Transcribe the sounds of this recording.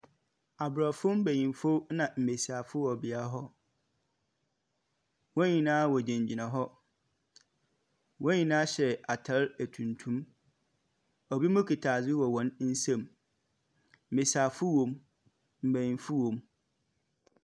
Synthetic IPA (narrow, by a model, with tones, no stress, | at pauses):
a˨bɾa˨fʊ˦m̩˦bæ˨ɲĩ˨nfo˦nã˨m̩˨be˨sa˨fʊ˦wɔ˨bɪ˨a˦ɦɔ˦ | wɔ̃˦ɲĩ˨nãː˦wɔ˨d͡ʑɛ̃˨ɲd͡ʑi˨nã˨ɦɔ˦ | wɔ̃˦ɲĩ˨nã˦ɕɛ˨a˨tʰa˦ɾæ˨tʰũ˨ntʰũ˦m | ɔ˨bi˦mʊ̃˦kʰi˨tʰaː˨zɪ˦wɔ˨wɔ̃˨˦nn̩˦sɛ̃˨m | m̩˨be˨sa˨fʊ˦wɔ̃˨m | m̩˨bæ˨jĩ˨nfʊ˦wɔ̃˨m